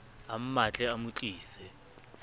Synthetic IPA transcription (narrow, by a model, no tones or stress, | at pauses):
am̩mat͡ɬʼɛamut͡ɬʼiːsɛ